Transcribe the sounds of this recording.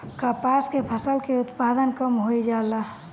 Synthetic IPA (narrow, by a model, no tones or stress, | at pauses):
kapaskepʰəsəlkeʊt̪pad̪ənkəmɦoid͡ʒala